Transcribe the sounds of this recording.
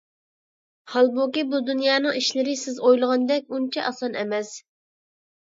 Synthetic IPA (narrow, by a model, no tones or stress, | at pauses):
hɑlˠbukʲibud̪unjɑːnəŋiʃlɪɾɪsɪzojlˠəʁɑnd̪ɛk̚ʲunt͡ʃʰɛʔɑsɑnɛmɛs